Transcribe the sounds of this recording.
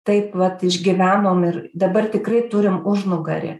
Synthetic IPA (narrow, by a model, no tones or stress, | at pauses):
t̪ɐɪpʋɐt̪ɪʒʲɡʲɪʋʲæːnoːmɪrd̪ɐbɐrt̪ʲɪkrɐɪt̪ʊɾʲɪmʊʒnʊɡɐɾʲɪ̰